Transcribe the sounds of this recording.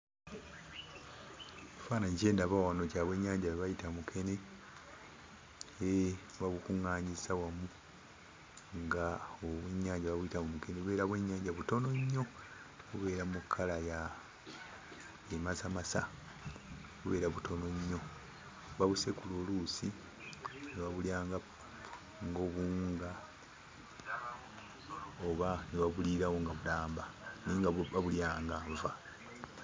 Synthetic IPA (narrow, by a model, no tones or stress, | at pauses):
efaːnaɲice̞ːndaβawano̞caːβwe̞ːɲːaːɲɟaβeβajitamukʰe̞ne̞ | e | βaβukuŋaːɲisawamu | ŋɡaoβwe̞ɲːaːɲɟaβaβuitamumuke̞neβuβe̞ːɾaβwe̞ɲːaːɲɟaβuto̞no̞ɲːo̞ | βuβe̞ːɾamukʰːalaja | emazamasa | βuβe̞ːɾaβutʰo̞no̞ɲːo̞ | βaβuse̞kuloːluːsi | niβaβuljaːŋɡa | ŋɡo̞βuːŋɡa | oβaniβaβuliɾawoŋɡaβulaːmbaniːŋɡaaβuljaːŋɡaːɱva